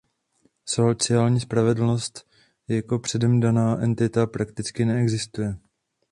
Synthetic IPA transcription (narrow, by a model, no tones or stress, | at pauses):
sot͡sɪaːlɲiːspɾavɛdl̩no̞st̪ | jako̞pr̥ɛdɛmdanaːʔɛnt̪ɪt̪apɾakt̪ɪt͡skɪnɛɛɡzɪst̪ujɛ